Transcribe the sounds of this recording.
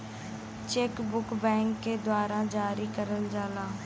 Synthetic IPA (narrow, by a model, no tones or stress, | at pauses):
t͡ʃeːkbʊkbɛ̃ːŋkːeːd̪waːɾaːd͡ʒaːɾiːkəɾənd͡ʒaːlãː